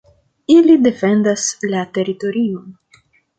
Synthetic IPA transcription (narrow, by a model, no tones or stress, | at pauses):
ilide̞fe̞nd̪aslate̞ɾito̞ɾion